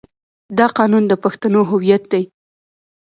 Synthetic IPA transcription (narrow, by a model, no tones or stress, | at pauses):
d̪ɑqɑnund̪əpaxt̪anoɦʊwijat̪̚d̪aj